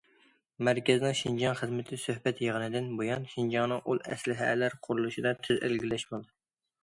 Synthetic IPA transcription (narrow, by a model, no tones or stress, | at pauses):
mæɾkʲɛzɪnɪŋʃind͡ʒɑŋχəzmɪt̪ʰɪsøhbɛt̪jeʁənɨd̪ɪnbojɑnʃind͡ʒɑŋnɨŋʔulˠɛslɪɦɛ̰læɾqʰʊɾulˠuʃid̪ɑt̪ʰyzɪ̰lɡʲilɛʃbolˠd̪ɨ